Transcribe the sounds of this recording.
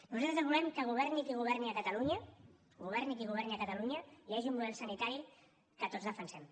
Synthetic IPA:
nuzalt̪ɾəzəzβulɛmkəɣuβ̞ɛɾnikiɣuβ̞ɛɾniəkət̪əluɲə | ɡuβ̞ɛɾnikiɣ̞uβɛɾniəkət̪əluɲəiaʒiummuðɛlˠsənit̪aɾi | kət̪ozðəfənsɛm

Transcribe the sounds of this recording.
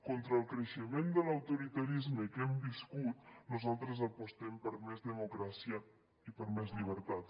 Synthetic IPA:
kont̪ɾəːlˠkɾəʃəmend̪ələwt̪uɾit̪əɾizməkɛmbiskut̪nuzalˠt̪ɾəzəpust̪ɛmpəɾmɛzðəmukɾasiə | ipəɾmɛzʎiβ̞əɾt̪at̪

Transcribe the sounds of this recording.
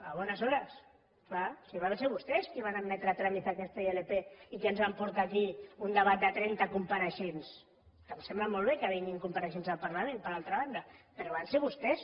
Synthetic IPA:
aβ̞ɔnəzɔɾəs | klasiβ̞anseɾβust̪ɛskiβ̞anammɛt̪ɾat̪ɾamiθakɛst̪aelepeikiənzβampuɾt̪aːkiund̪əβat̪̚d̪ət̪ɾɛnt̪akumpaɾəʃens | kəmsemblamɔlˠβekəβiŋiŋkumpəɾəʃ̬enzəlpəɾlamẽnpəɾalˠt̪ɾaβand̪əpəɾoβanseɾβust̪ɛs

